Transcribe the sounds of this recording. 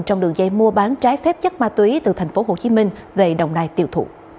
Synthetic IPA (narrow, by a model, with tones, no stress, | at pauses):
t͡ɕɔ˧ŋ͡mɗɨ˨˩əŋ̚zə˧jmu˧əɓaː˨˦nt͡ɕaː˨˦jfɛ˦˥p̚t͡ɕə˦˥t̚maː˧t̪wi˨˦t̪ɨ˨˩t̪ʰa˨˩jŋ̟fo˨˦ɦo˨˩t͡ɕi˨˦mï˧ŋ̟ve˨˩ɗə˨˩wŋ͡mnaː˧jt̪i˧əwt̪ʰṵ˧˨